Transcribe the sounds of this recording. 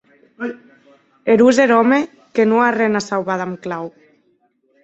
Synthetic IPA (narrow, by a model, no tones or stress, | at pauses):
eɾuzeɾɔme | kenoarenasawβaðamklaw